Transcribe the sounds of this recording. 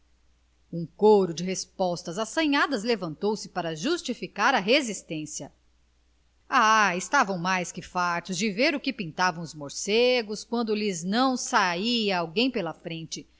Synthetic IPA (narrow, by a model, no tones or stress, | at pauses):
ũkoɾʊd͡ʒɪɦespɔst̪ɐzasɐ̃ɲad̪ɐzlevɐ̃nt̪owsɪ̥paɾɐʒust͡ʃifikaɾɐɦezist̪ẽsjɐ | aɪst̪avɐ̃w̃majskɪfaɾt̪ʊzd͡ʒɪveɾʊkɪpĩnt̪avɐ̃w̃ʊzmoɾseɡʊskwɐ̃nd̪ʊliznɐ̃w̃saiɐawɡẽj̃pɛlɐfɾẽnt͡ʃɪ